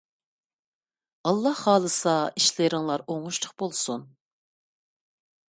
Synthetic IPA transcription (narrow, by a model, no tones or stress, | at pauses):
ɑlˠːɑhːɑːlˠɨsɑiʃlɪɾɪŋlˠɑɾoŋuʃt̪ʰəqbolˠsun